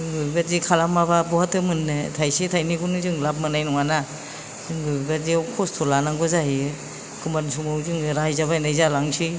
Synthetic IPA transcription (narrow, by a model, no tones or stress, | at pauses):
ɯŋɡɯɡazikʰalamababɔhatɯmɯnːɯtʰajsitʰajniɡunɯzɯŋlap̚manajnɔŋana | zɯŋɡɯɡaziwkʰɔstʰɔlanaŋɡɔzaɦi | kʰumansumɯwzɯŋɾajzabajnajzalaŋsʰi